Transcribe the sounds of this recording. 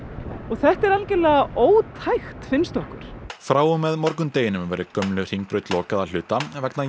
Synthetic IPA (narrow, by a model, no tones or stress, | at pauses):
ɔɣθɛht̪ɛɾalcɛlɛːɣaʔoːwt̪ʰajxt̪fɪnst̪ɔhkʏɾ̥fɾaːwʏmːɛðmɔɾkʏmt̪eːjɪnʏmvɛːɾɪkœmlʏr̥iŋk̚pɾœɥt̪lɔːkaðal̥ʏːt̪avɛkna